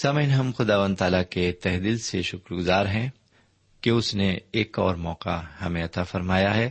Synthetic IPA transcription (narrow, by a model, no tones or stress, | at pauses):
saːmɦɪnɦɐmxʊd̪aːʋə̃nd̪t̪aːlaket̪ɛɦd̪iːlseʃʊkɾɡʊzaːɾɦɛ̃ | keʊsneeːkɔːɾmɔːqahɐmẽɐt̪aːfɐɾmaːjaɦɛː